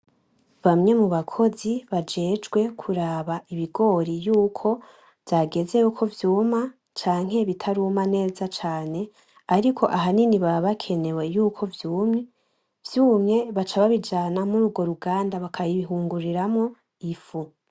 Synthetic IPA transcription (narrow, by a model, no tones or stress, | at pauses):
βamɲe̞muβakʰo̞ziβad͡ʒe̞ːd͡ʒɡwe̞kʰuɾaːβaʔiβiɡo̞ɾijuːkʰo̞ | vjaɡe̞ze̞jukʰo̞vjuːma | t͡ʃaːŋ̥he̞βitʰaɾuːmane̞ːzat͡ʃaːne̞ | aɾikʰo̞ʔaɦaniniβaβakʰe̞ne̞we̞juːkʰo̞vjuːmɲi | vjuːmŋe̞βat͡ʃaβaβid͡ʒanamuɾuːɡwo̞ɾuɡaːndaβakʰajiβiɦuːŋɡuɾiɾamŋo̞ | ifu